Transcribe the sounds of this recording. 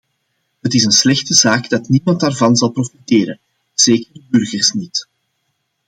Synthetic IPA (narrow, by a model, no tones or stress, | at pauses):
ɦətɪsənslɛxtəzaːɡd̥ɑtnimɑntaːrvɑnzɑlˠprofiteːɾən | z̥eːkərdəbʏrɣərsnit